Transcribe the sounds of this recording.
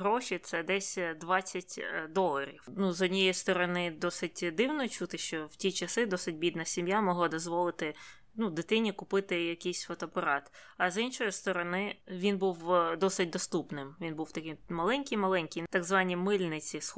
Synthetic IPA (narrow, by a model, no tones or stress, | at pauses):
ɦɾɔʃʲit̪sɛd̪ɛsʲd̪ʋɑt͡sʲːɐtʲd̪ɔlˠɐɾʲḭwnuzɔdʲnʲɔjist̪ɔɾɔnɪd̪ɔsɪtʲd̪ɪwnɔt͡ʃut̪ɪʃt͡ʃɔwtʲit͡ʃɐsɪd̪ɔsɪt̚ʲbʲid̪nɐsʲimjamɔɦlˠɔd̪ɔzʋɔlˠɪt̪ɪ | nud̪ɪt̪ɪnʲikʊpɪt̪ɪjɐkijsʲfɔt̪ɔːpɐɾɑt̪ɐzinʃɔjist̪ɔɾɔnɪʋʲinbuwd̪ɔsɪt̚ʲd̪ɔst̪upnɪmʋʲinbuwt̪ɐkɪmmɐlˠɛnʲkɪjmɐlˠɛnʲkijt̪ɑɡzʋɑnʲimɪlʲnɪt͡sʲis